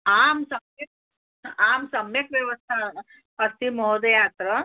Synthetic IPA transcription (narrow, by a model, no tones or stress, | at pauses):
amsəmje | amsəmjekʋjɐʋəst̪ʰa | əɾt̪imɔɦod̪jat̪ɾə